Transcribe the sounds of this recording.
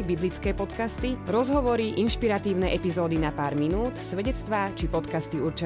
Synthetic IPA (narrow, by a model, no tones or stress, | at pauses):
biblit͡skɛːpɔt̪kast̪iɾɔzɦɔʋɔɾiʔinʃpiɾat̪iːʊnɛʔɛpizɔːd̪inapaːɾminuːt̪sʋɛɟɛt͡st̪ʋaːt͡ʃipɔt̪kast̪iuɾt͡ʃɛ